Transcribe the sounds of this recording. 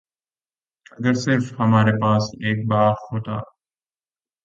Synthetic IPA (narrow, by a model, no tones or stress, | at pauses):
ɐɡəɾsɪɾfhɐmaːɾepaːseːk̚baːxhoːt̪a̰ː